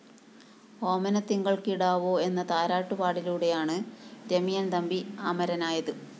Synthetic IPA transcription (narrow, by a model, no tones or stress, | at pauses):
o̞ːmɐnɐt̪ːiŋɡɐɭkiɽaːʋoːe̞nːɐt̪aːɾaːʈːupaːɽiluːɽe̞jaːɳɨɾemijɐnd̪ɐmbiaːmɐɾɐnaːjɐðɨ